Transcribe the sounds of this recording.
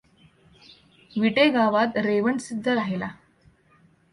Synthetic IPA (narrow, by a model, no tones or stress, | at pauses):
ʋiʈeɡaʋat̪ɾeʋəɳsid̪ʱːəɾaɦela